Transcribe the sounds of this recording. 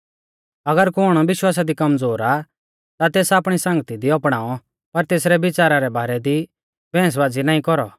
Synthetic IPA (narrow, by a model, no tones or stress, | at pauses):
ɐɡəɾkʊɽ̃ɔbɪʃwaːs̬ad̪ikɐmd͡zoːɾa | t̪at̪eːsaːpɽ̃isɐ̃ŋɡət̪id̪iɔpɽ̃aːɔ | pɐɾt̪eːsɾɛbɪt͡ʃaːɾaɾɛbaːɾɛd̪i | bɛ̃ːs̬ʋaːd͡zinaːĩkɔɾɔ